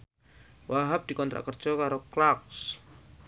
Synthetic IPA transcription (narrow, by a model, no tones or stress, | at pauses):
wʔaɦap̚d̪̥ikɔnt̪ɾa̰ʔkər̥d͡ʒ̥ɔkaɾoklaks